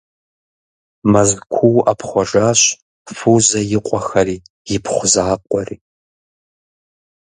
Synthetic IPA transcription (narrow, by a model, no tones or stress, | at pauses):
mɐzkʷʰuwapχʷɔʐaːɕ | fuzɐjɪqʷʼɔxɐriː | jɪpʰχʷʊzaːqʷʼɔrḭː